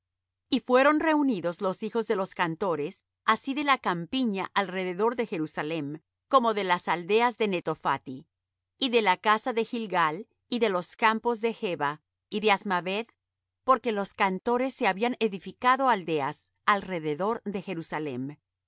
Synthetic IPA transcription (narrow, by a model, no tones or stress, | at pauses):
ifwe̞ɾo̞nre̞uniðo̞zlo̞sixo̞zðe̞lo̞skant̪o̞ɾe̞s | asiðe̞lakampiɲaʔalre̞ðe̞ðo̞ɾðe̞xe̞ɾusale̞m | ko̞mo̞ðe̞lasald̪e̞azðe̞ne̞t̪o̞fa̰t̪i | iðe̞lakasaðe̞xilɡal | iðe̞lo̞skampo̞zðe̞xe̞βa | iðe̞azmaβe̞ð | po̞ɾke̞lo̞skant̪o̞ɾe̞sːe̞aβianeðifikaðo̞ald̪e̞as | alre̞ðe̞ðo̞ɾðe̞xe̞ɾusale̞̰m